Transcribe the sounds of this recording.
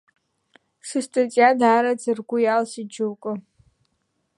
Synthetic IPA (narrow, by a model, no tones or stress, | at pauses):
sɨstʼat͡sʼjadaːɾad͡zɨrɡʷʊjalsid͡ʒuwkʼʊ